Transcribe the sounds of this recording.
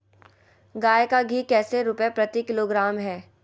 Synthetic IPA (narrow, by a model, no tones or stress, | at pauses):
ɡaːjekaɡʱiːkɛːseɾʊpjapɾɐt̪ikɪloɡɾaːmɦɛː